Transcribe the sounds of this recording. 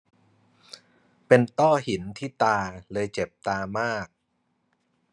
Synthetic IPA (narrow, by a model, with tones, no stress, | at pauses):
pe˧nt̪ɔː˥˩hi˩˦nt̪ʰiː˥˩t̪aː˧lɤː˧jt͡ɕe˨˩p̚t̪aː˧maː˥˩k̚